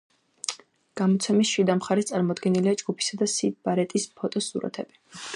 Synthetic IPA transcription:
ɡ̥amɔt̪sʰɛmisʃid̪amχaɾist̪sʼaɾmɔd̪ɡɛniliad͡ʒɡupʰi̥sad̪asib̥aɾɛt̪ʼispʰɔt̪ʼɔsṵɾa̰t̪ʰɛb̥i

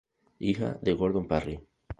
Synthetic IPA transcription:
ixa̰ðeɣoɾðompari

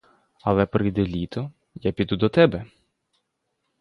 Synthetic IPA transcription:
ɐlˠɛpɾɪjd̪ɛlʲit̪ɔ | japʲid̪ud̪ɔt̪ɛbɛ

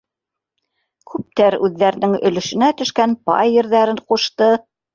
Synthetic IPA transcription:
kʰʉp̚t̪æɾʉðːæɾ̆nɘŋɵ̰̆lɵ̆ʃɵ̆næt̪ɵ̆ʃkænpɑ̰jːɘ̆ɾðæɾɘɴquʃt̪ɤ

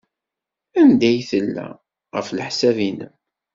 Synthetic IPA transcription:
ænd̪æjθəlːæ̰ | ʁəfləħsævinəm

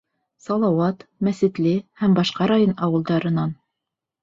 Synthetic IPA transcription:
sɑlˠɑwɑt̪mæsɘ̆t̪lɘhæmbɑʃqɑɾɑjonɑwɤ̆lˠd̪ɑɾɤ̆nɑn

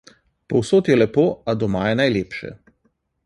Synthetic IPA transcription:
pɔwsoːt̪jɛlɛpoːad̪ɔmaːjɛnajleːpʃɛ̰

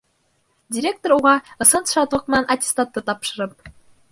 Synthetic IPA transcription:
dʲiɾʲek̚t̪oɾuʁɑɤ̆sɤ̆nt̪ʂɑt̪ɤ̆knɑnʔɑtʲi̥st̪ɑt̪ːɤ̆t̪ɑpʃɤ̆ɾɤ̆p̚

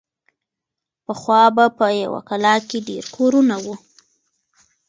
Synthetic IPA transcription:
pəxwɑbapəja̰wa̰kalɑkeɖḛɾkʰoɾunawu

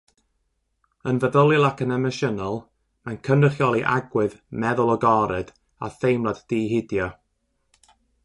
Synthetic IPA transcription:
ənvəðəlˠɪlˠakʰənɛməʃənɔlˠ | mankʰənrəχjɔlˠiʔa̰ɡwɪðmɛðʊlˠɔɡɔɾɨd | a̰θejmlˠadːiːɦɪdjɔ

